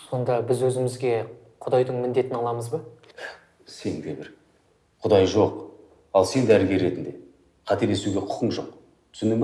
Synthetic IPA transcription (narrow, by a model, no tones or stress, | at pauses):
so̞nd̪ɑbɪzwɵzɪmɪzɡʲe̞ | qʰʊd̪ɑjd̪əɴmɪnd̪e̞t̪ɪnɑlˠɑməzbə | se̞ŋd̪e̞bɪɾ | qʰʊd̪ɑjʒo̞q | ɑlˠse̞nd̪æɾɪɡʲe̞ɾːe̞t̪ɪnd̪e̞ | qʰɑt̪e̞le̞suɡʲe̞qʰʊ̥qʰəɴʒoq̚ | tt̪ʰʏ̥sʏnɪŋm